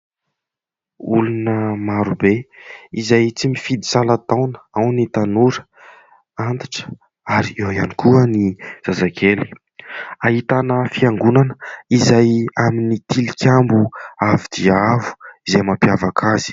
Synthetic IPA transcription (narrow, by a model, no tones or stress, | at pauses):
ulunəmaɾubeizajt͡simifid̪isalat̪awnə̥awnit̪anuɾə̥ | ant̪aʈ͡ʂə̥ | aɾiewianikuəniz̥azakʰeli̥ | aɦit̪anəfiaŋɡunanə̥izajaminit̪ilikʲambuavid̪̥iavu̥izajmapjavakʰazi̥